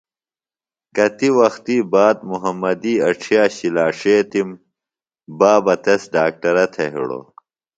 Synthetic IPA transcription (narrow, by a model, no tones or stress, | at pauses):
kɐt̪iwɐxt̪iːbaːd̪muɦɐmːɐd̪iːɐʈ͡ʂʰijaːɕilaːʂeːt̪im | baːbɐt̪ɐsɖaːk̚ʈɐɾɐt̪ʰeɦḭɽo̰